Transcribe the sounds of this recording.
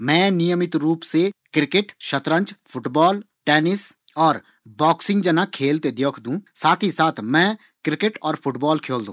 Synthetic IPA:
mɛ̃ːnɪjəmɪt̪ɾuːpsekɾɪkeʈʃət̪ɾə̃ɲt͡ʃpʰʊʈbɔːl | ʈɛːnɪs | ɔːɾ | bɔːksɪ̃ŋɡd͡ʒənakʰeːlt̪ed̪eːkʰd̪ũːsaːt̪ʰisaːt̪ʰmɛ̃ː | kɾɪkeʈɔːɾpʰʊʈbɔːlkʰeːld̪ṵ̃ː

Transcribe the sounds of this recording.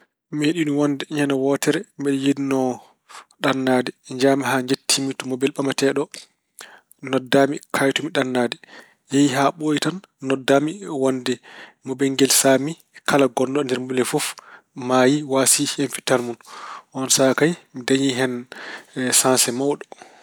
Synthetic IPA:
meɗinuwandɛɲanawɔtɛɾɛmɛɗijidinɔ | ɗanːaːdɛɲd͡ʒamiɦaɲd͡ʒetʰːimitɔmɔbɛlɓamatɛɗɔ | nɔdːaːmikʰajtumiɗanːaːdɛ | jɛjɦaɓojitanː | ɔdːamiwandɛmɔbɛŋɡɛlsaːmi | kʰalaɡɔndɔndɛɾmbulɛfɔf | maːjiwasiɛnfi̥talmunʔɔnsakajmidajiɦɛn | sansɛmawɗɔ

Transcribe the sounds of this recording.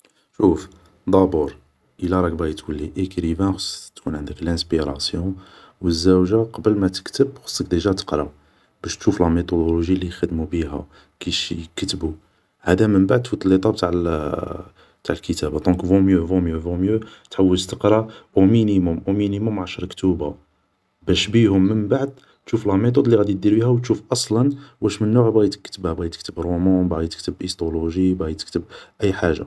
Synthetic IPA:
ʃuf | d̪ˤɑbuɾ | ʔəlæɾˤɑk̚bæjət̪wəlːiʔekɾivæ̃xsˤt̪kʰunʕənd̪əklæ̃spiɾˤɑsjɔ̃ | wəzːæwʒaqɑbəlmæt̪ə̥kt̪əbxə̥sˤːək̚d̪eʒæt̪ə̥qɾˤɑ | b̥æʃt̪ʃuflɑmit̪od̪oloʒilːixəd̪mubiɦæ̰ | kiʃkət̪bu | hæd̪æmənbaʕd̪̚t̪fut̪lːit̪ˤɑb̚t̪aʕl | t̪aʕlkət̪æbad̪ɔ̃kvõmjøvõmjøvõmjøt̪ħawːələst̪əqɾˤɑʔuminimʊmʔuminimʊmʕaʃɾˤkt̪uba | bæʃbihʊmːənbaʕd̪̚ | t̪ʃufəlɑmet̪̬ˤod̪ˤliɣæd̪id̪iɾbihæwt̪ʃufʔɑsˤlɑnwæʃmənːuʕbæjt̪ə̥kːt̪əbhæbæjt̪ək̚t̪əbɾomɔ̃bæjt̪ə̥kt̪əbʔist̪oluʒibæjt̪ə̥kt̪əb̚ʔəjːħaʒa̰

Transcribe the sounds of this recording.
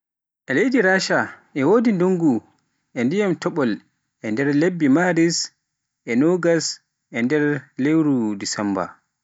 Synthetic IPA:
ʔɛlejdiɾaːʃaʔɛwoːdinduŋɡu | ʔɛndijamtʰɔɓɔl | ʔɛndɛɾlebːimaɾis | ʔɛnɔɡas | ʔɛndɛɾlewɾudisɛmba̰

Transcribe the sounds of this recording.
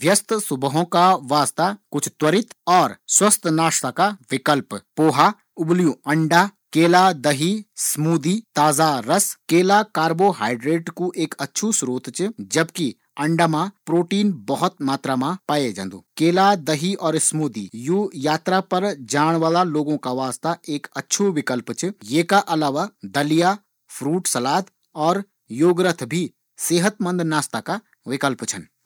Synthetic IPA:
ʋʱjɐst̪ʰsʊbəɦõkaʋaːst̪akʊt͡ʃʰt̪wəɾɪt̪ɔːɾswɐst̪ʰnaːʃt̪akaʋɪkəlppoːɦa | ʊblijuɐ̃ɳɖaːkeːlad̪ɐɦismuːd̪iːt̪aːzaɾɐskeːlakaːɾboːɦaːɪɖɾeːʈkuʔeːkɐtːʃʰusɾoːt̪t͡ʃd͡ʒɐbki | ɐ̃ɳɖamãpɾoːʈiːnbɐɦʊt̪maːt̪ɾamãpaːed͡ʒə̰̃nd̪ṵːkeːlad̪ɐɦiʔɔːɾsmuːd̪ḭjuːjaːt̪ɾapɐɾd͡ʒaːɽ̃ʋaːlaloːɡõkaʋaːst̪aʔeːkɐtːʃʰoʋɪkəlpt͡ʃʰjeːkaʔɐlaːʋad̪ɐlija | pʰɾuːʈsɐlaːd̪ | ɔːɾ | joːɡɾət̪ʰbʱi | seːɦət̪mə̃nd̪naːst̪aka | ʋɪkəlpt͡ʃʰɐn

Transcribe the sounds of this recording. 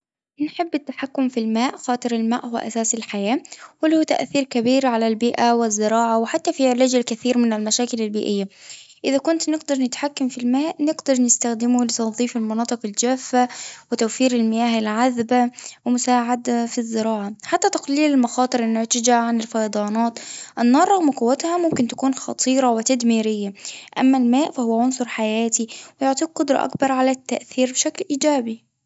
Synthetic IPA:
nħɪbːɪt̪ːaħakːʊmfilmaːʔxɑːt̪ˤɨɾɪlmaːʔhʊw̰ːʔa̰saːsɪlħajaːwɪlhuːt̪a̰ʔθiːɾkabiːɾʕalalbiːʔawɪzːɪɾɑːʕawɪħat̪ːafiʕlaːd͡ʒɪlkaθiːɾmɪnɪlmaʃaːkɪlalbiːʔɪjːaʔɪðakʊnt̪nɪɡd̪ɑɾˤnɪt̪ħakːamfilmaːʔnɪɡd̪ɑɾˤnɪst̪axd̪ɪmʊlɪt̪ɑnðˤiːfalmɑnɑːt̪ˤɨqɪld͡ʒaːfːawɪt̪awfiːɾɪlmɪjaːhɪlʕaðbawɪmʊsaːʕad̪afizːɪɾɑːʕaħat̪ːat̪ɑqliːlɪlmɑxɑːt̪ˤɨɾɪnːʊʕt̪ɪd͡ʒaʕanɪlfɑjɑd̪ˤɑːnɑːt̪ʔɪnːɑɾˤɑɣmkʊwːat̪hamʊmkɪnt̪ḁkuːnxɑ̰t̪ˤʰiːɾˤɑwɪt̪ad̪miːɾɪjːaʔamːalmaːʔfahʊwːaʕʊnsˤʊɾˤħajaːt̪iwɪjʊʕt̪ˤiːɡ̚qʊd̪ɾˤɑ̰ʔa̰kbɑɾˤʕalat̪ːaʔθiːɾbɪʃaklʔiːd͡ʒaːbi

